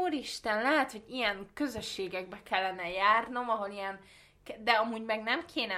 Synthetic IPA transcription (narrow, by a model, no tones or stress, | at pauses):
uːɾiʃt̪ɛnlɛɦɛt̪ho̞ɟijɛŋkø̞zø̞ʃːeːɡɛɡ̚bɛkɛlːɛnɛjaːrno̞mɒɦo̞lijɛn | kd̪ɛɒmuːɟmɛɡnɛmkʰeːnɛ